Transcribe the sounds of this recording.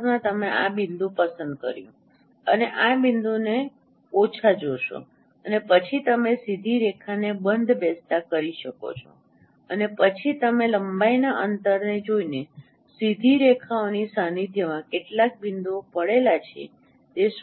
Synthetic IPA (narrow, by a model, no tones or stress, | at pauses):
mãt̪əmeʔabind̪ʱũpəsənd̪̚kə̰ɾjṵ̃ | əneʔabind̪une | ot͡ʃʰad͡ʒoʃo̰ | ənepət͡ʃʰit̪əmesid̪ʱiɾekʰanebənd̪ʱbɛst̪akəɾiʃəko̰t͡ʃʰo̰ | ənepət͡ʃʰit̪əmeləmbainaʔənt̪əɾned͡ʒoine | sid̪ʱiɾekʰaonisənid̪ʱjəmãkeʈlak̚bind̪uopəɽelat͡ʃʰḛ | t̪eʃ